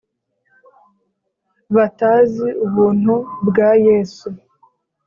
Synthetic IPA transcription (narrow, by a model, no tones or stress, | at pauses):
βataːziuβuːn̥hubɡaːjeːsu